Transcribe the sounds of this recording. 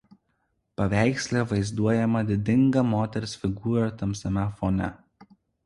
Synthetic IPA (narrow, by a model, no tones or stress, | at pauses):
pɐʋʲæˑɪksʲlʲeːʋɐɪzd̪uɔjɛmɐd̪ʲɪd̪ʲɪŋɡɐmoːt̪ʲɛɾʲsʲfʲɪɡuːɾɐt̪ɐmʲsʲɐmʲɛfonʲɛ̰